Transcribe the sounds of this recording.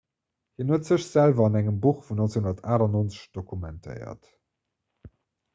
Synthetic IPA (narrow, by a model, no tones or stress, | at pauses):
hinuətz̥əɕz̥ælvɐɑnæŋəmbuχfunonsehundɐtaːɾɑnoːnt͡sə̥ɕd̥okʰumæntʰə̰ɪɐ̰t